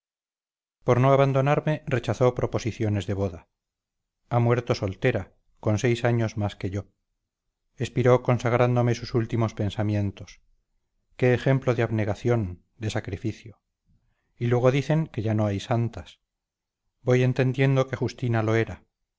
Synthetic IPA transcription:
po̞ɾnoaβand̪o̞naɾme̞re̞t͡ʃaθo̞pɾo̞po̞siθjo̞ne̞zðe̞β̞o̞ða | amwe̞ɾt̪o̞so̞lt̪eɾa | ko̞nse̞jsaɲo̞zmaske̞ʝo̞ | espiɾo̞ko̞nsaɣ̞ɾand̪o̞me̞susult̪imo̞spe̞nsamje̞nt̪o̞s | keːxe̞mploðeaβne̞ɣaθjo̞n | d̪e̞sakɾifiθjo | ilwe̞ɣ̞o̞ðiθe̞ŋke̞ʝano̞ajsant̪as | bo̞je̞nt̪e̞nd̪je̞nd̪o̞ke̞xust̪inalo̞e̞ɾa

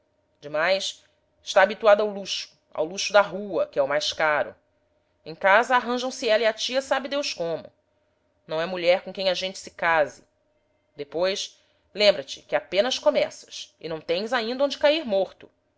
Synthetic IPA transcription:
d͡ʒɪmajs | ɪʃt̪aːbit̪uad̪awluʃʊ̥ | a̰wluʃʊd̪aɦuɐkɪɛʊmajskaɾʊ̰ | ẽj̃kazɐaɦɐ̃ʒɐ̃w̃sɪɛlɐiat͡ʃiɐsabɪd̪ewskõmʊ̰ | nɐ̃w̃ɛmuʎɛɾkõkẽj̃ɐʒẽnt͡ʃɪ̥sɪ̥kazɪ | d̪epojs | lẽmbɾɐt͡ʃɪ̥kɪapẽnɐskomɛsɐ̥sɪ̰nɐ̃w̃t̪ẽj̃zaĩnd̪ɐõd͡ʒɪkaiɾmoɾt̪ʊ

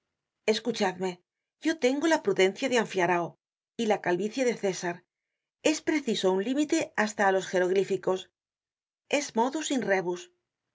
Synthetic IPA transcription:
e̞skut͡ʃaðme̞ | ʝo̞t̪e̞ŋɡo̞lapɾuðe̞n̟θjaðeaɱfjaɾao | ilakalβiθjaðe̞θe̞saɾ | e̞spɾe̞θiso̞unlimit̪e̞ast̪aːlo̞sxe̞ɾo̞ɣ̞ɾifiko̞s | e̞zmo̞ðusinre̞βus

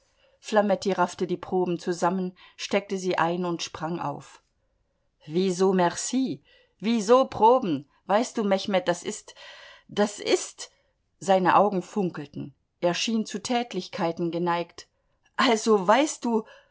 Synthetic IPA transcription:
flamɛtiʁaftədiːpʁ̥oːbm̩t͡suzamənʃtɛk̚təziːʔaɪnʊntʃpʁ̥aŋʔa̰ʊf | viːzoːmɛʁsiː | viːzoːpʁ̥oːbm̩ | vaɪst̚d̥uːmɛçmɛt̚d̥asɪstd̥asʔɪst | z̥aɪnə̰ʔaʊɡŋ̩fʊŋkl̩tn̩ | ʔeːɐʃiːnt͡sutʰɛːtʰlɪçkʰaɪtn̩ɡənaɪkt | ʔalzovaɪst̚d̥uː

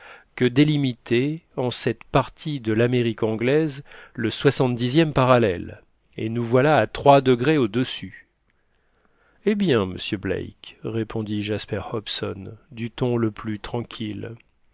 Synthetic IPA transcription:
kəd̪elimit̪eɑ̃sɛt̪paʁt̪ʰid̪əlameʁikɑ̃ɡlɛzləswasɑ̃t̪d̪izjɛmpaʁalɛ̰l | ḛnuvwalaːt̪χwad̪əɡʁeod̪əsy | ebjɛ̃mə̰sjøblɛ̰jkʁepʰɔ̃d̪iʒaspɛʁhɔpsɔ̰nd̪yt̪ɔ̃ləplyt̪χɑ̃kʲʰil

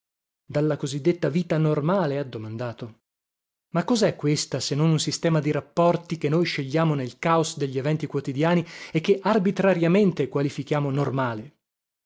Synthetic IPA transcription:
d̪alːakozid̪ːet̪ːaviːt̪anormaːlead̪ːomand̪aːt̪o | makːɔzɛkːwest̪asenːonunsist̪ɛːmad̪iɾapːɔrt̪ik̟enːojʃeʎːaːmonelkaosd̪eʎːievɛnt̪ikwot̪id̪jaːniek̟ːeʔarbit̪ɾaɾjament̪ekwalifik̟jaːmonormaːle

